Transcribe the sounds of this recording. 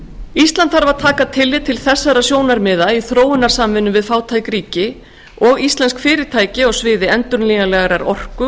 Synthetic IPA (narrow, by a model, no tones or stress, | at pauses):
ist̪lant̪faɾvaðt̪ʰaːkat̪ʰɪlːɪt̪ʰɪlθɛsːaɾasjoːwnaɾmɪːðaiθɾoːwɪnaɾ̥samvɪnʏmvɪðfaːwt̪ʰajkɾiːcɪ | ɔɣist̪lɛnskfɪːɾɪɾt̪ʰaːjcɪɔɣsvɪːðɪɛnt̪ʏɾnliːnalɛɣaɾaɾɔr̥kʏ